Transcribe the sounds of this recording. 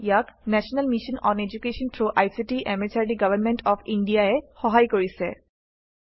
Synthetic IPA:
ijaknɛsɔnalmiʃɔnɔned͡ʑukeʃɔntʰɹoʔajsitiʔɛmet͡ʃʰaɹdiɡabʱanmɛntɔpʰindijaɛxɔɦajkoɹisɛ

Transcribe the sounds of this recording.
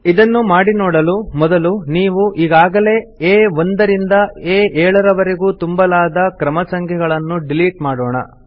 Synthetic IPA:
id̪ɐnːumaːɽinɔːɽɐlumɔd̪ɐluniːʋuʔiːɡaːɡɐle̞ːeːʋond̪ɐɾind̪ɐeːɛːɭɐɾɐʋɐɾeɡuːt̪umbɐlaːd̪ɐkɾɐmɐsɐŋkʰɛɡɐɭɐnːuɖiliːʈmaːɽoːɳɐ̰

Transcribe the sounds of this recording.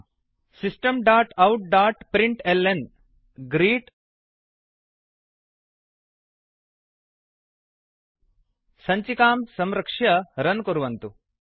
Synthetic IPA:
sisʈɐmɖaːɾʈɐwʈ̚ɖaːɾʈpɾiɳʈelen | ɡɾiːʈ | sɐɲt͡ɕikaːmsɐmɾɐkʂjɐɾɐnkoɾuʋɐnt̪u

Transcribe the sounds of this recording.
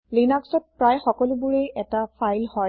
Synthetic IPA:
linaksɔt̚pɹajxɔkɔlʊbʊɹejʔɛtapʰajlhɔ

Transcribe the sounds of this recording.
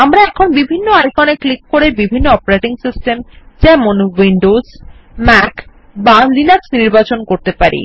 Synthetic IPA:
amɾaɛkʰonbibʱinːoajkɔneklikːoɾebibʱinːoɔpɾeʈiŋsisʈemd͡ʑɛmonwiɳɖoz | mɛk | balinaksniɾbat͡ɕonkoɾt̪epaɾʔḭ

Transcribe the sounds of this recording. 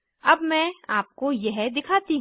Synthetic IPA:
ɐbmɛ̃ːaːp̚kojɛɦd̪ɪkʰaːt̪iɦ

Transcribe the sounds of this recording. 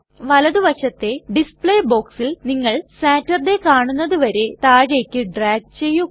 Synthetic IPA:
ʋɐlɐðɨʋɐʂɐt̪ːe̞ɖispɭeːbo̞ːksilniŋːɐɭsaːtːɐrɖekaːɳunːɐðuʋɐɾe̞t̪aːɣejkʲːɨɖraːɡ̚t͡ɕe̞jːu

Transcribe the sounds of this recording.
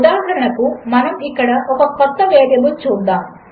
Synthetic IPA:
ud̪aːɦɐɾɐɳɐkumɐnɐmikːɐɽɐʔɔkɐpɐt̪ːɐʋeːd̪jɐmut͡ʃuːd̪aːm

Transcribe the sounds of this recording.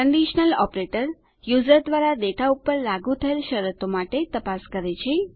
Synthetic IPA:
kəɳɖiʃnəlɔpɾeʈəɾ | juzəɾd̪ʋaɾad̪eʈʰaupəɾlaɡut̪ʰəelʃəɾət̪omaʈet̪əpaskəɾet͡ʃʰe

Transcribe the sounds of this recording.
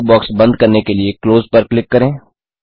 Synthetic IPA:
bɔːksbɐ̃nd̪̚kɐɾnekeliekloːzpɐɾklɪkːɐɾẽː

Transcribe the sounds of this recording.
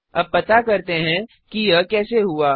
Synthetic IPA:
ɐb̚pːɐt̪akɐɾt̪eɦɛ̃ | kijɐkɛːseɦuaː

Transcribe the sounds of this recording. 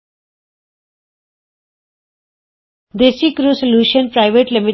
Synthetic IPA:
d̪eːsikɾuːsoljuːʃənpɾaɪʋeʈlimi

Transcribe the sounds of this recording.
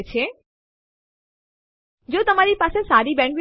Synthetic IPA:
t͡ʃʰe | d͡ʒot̪əmaɾipasesaɾibɛ̃ɳʈʋi

